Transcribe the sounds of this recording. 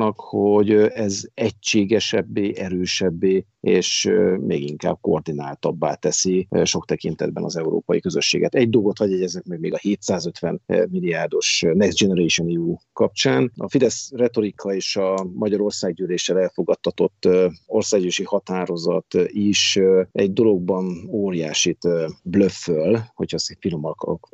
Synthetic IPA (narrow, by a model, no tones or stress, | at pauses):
nɒkhoɟɛzɛct͡ʃeːɡɛʃɛbːeːʔɛɾøːʃɛbːeː | eːʃmʔḛːɡiŋka̰ːb̥̚kord̪inaːlt̪ɒbːa̰ːt̪ɛsiʃo̞kt̪ɛkin̪t̪ɛ̰d̪bɛ̰nɒ̰zɛuɾo̰ːpɒjikøzøʃːḛːɡɛt̪ɛɟd̪o̞lɡo̞t̪hɒɟjɛɟɛznɛkmɛɡ̚meːɡɒheːt̪saːzø̞t̪ʋɛnmilːijaːrd̪o̞ʃnɛɡzd͡ʒɛnɛɾeːʃoniukɒp̚t͡ʃaːnɒ̰fid̪ɛsrɛt̪o̞ɾikʰːɒeːʃɒmɒɟɒɾo̞rsaːɡɟyːleːʃɛlɛlfo̞ɡɒt̪ʰːɒt̪o̞t̪ːorsaːɡjøːʃihɒt̪aːɾo̞zɒt̪iʃɛɟd̪o̞lo̞ɡ̚bɒnoːɾijaːʃit̪bløfːølho̞chɒsfilomɒk